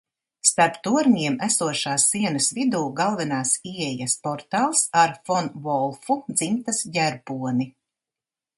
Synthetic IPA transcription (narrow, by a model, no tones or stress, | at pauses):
st̪aɾpt̪uɔɾnʲiɛmæsuɔʃaːsːiɛnɐsvid̪uːɡalˠvɛnaːsiɛjaspɔɾt̪aːlˠsaɾfɔnvɔlˠfud̪z̥imt̪asjæɾbuɔni